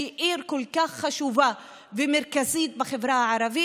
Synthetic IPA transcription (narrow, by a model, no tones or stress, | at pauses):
iʔiɾkolkaχːaʃuva | vemeɾkazit̪̚baχevɾahaʕaɾavi